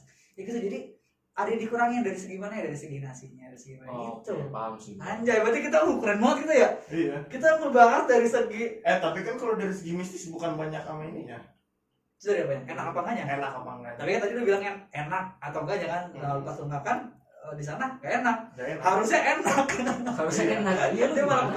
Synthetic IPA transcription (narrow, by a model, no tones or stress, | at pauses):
iɡit̪ud͡ʒadi | adadikuɾaŋjaŋdaɾisəɡimanajadaɾisəɡinasiɲaaisəɡimait̪uasaɲd͡ʒajabət̪ikit̪abukuɾɛnmɔət̪̚kit̪ajaijakit̪aməbaŋət̪̚daɾisəɡiɛt̪apikankalodaɾisəɡimist̪ɪsbukanbaɲakamainija̰ | t͡ʃu̥t̪ɾjabaɲakenakapaŋɡaɲaenakapa̰ŋat̪apikat̪adiudahbilaŋjaŋenak̚at̪awŋɡaɲakanəukat̪unt̪akan | ədis̬anaŋɡaʔenak̚nhaɾusɲaʔenakanahaɾuɲaenaaat̪d̪iamaɾa